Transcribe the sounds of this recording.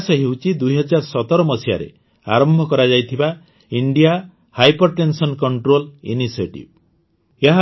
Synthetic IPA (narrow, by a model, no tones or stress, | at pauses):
seɦewt͡ʃʰid̪ujɦɔd͡ʒaɾsɔt̪ɔɾɔmɔsia̰ɾḛ | a̰ɾɔmbʱɔkɔɾad͡ʒajt̪ʰiba | iɳɖija | hajpɔɾʈensɔnkɔɳʈɾolḭnisieʈḭb̚ | jeɦa